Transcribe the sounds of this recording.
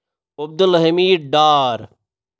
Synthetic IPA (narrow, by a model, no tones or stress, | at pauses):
ob̚d̪lɐɦimiːɖaːɾ